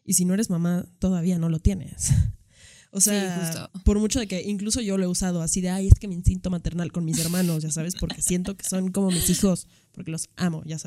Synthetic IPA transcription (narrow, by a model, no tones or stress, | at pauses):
isino̞eɾe̞zmamat̪o̞ðaβ̞iano̞lo̞t̪je̞ne̞̰s | oseaa̰po̞ɾmut͡ʃo̞ð̞e̞ke̞ʔiŋkluso̞ʝo̞loeusað̞o̞asiðe̞ajesk̪eme̞insint̪o̞mat̪e̞ɾnalko̞nmis̬e̞ɾmãno̞sʝas̬aβ̞espo̞ɾke̞sje̞nt̪o̞ke̥so̞ŋko̞mo̞misixo̞s | po̞ɾke̞lo̞samo̞̰ʝasae